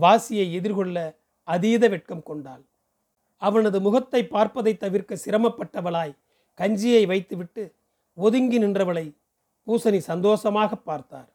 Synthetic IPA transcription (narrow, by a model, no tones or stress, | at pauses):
ʋaːsɪjɐɪɛðɪɾɣɔɭːɐ | ɐðiːðɐʋɛʈ̚kɐmkɔɳɖaːl | ɐʋɐnɐðɯmʊɣɐt̪ːɐɪpːaːɾpɐðɐɪt̪ːɐʋɪɾkɐsɪɾɐmɐpːɐʈːɐʋɐɭaːj | kɐɲd͡ʒɪjɐɪʋɐɪt̪ːɯʋɪʈːɯ | ɔðɯŋɡɪnɪndrɐʋɐɭɐɪ | puːsɐnisɐnd̪oːsɐmaːɣɐpːaːɾt̪a̰ːɾ